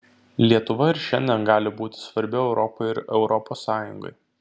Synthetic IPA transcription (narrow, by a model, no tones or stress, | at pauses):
lʲiɛt̪ʊʋɐɪɾʃʲɛnʲd̪ʲɛnɡɑːlʲɪbuːt̪ʲɪ̥sʋɐɾʲbʲɪɛʊɾɔpɔɪɪɾɛʊɾɔpoːsːɑːjʊ̰ŋɡɐ̰ɪ